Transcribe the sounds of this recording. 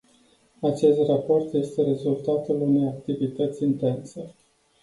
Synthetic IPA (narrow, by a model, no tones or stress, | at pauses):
at͡ʃe̞st̪rapo̞rt̪je̞st̪e̞ɾe̞zult̪at̪ulune̞jak̚t̪ivit̪ət̪sʲint̪e̞nse